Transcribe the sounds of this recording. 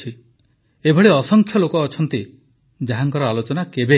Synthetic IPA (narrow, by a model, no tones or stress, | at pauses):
i | ebʱɔɭeɔsɔŋkʰjɔlokɔːt͡ʃʰɔnt̪i | d͡ʒaɦaŋkɔɾɔalot͡ʃɔnakebe